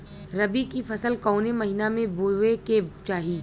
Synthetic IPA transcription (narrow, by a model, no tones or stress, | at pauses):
ɾɐbikifɐsəlkɔːnemɐɦinamẽboweket͡ʃaːɦiː